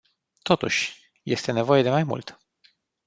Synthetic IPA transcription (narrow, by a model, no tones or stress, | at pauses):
t̪o̞t̪ṵʃʲ | je̞st̪e̞ne̞vo̞je̞d̪e̞majmṵlt̪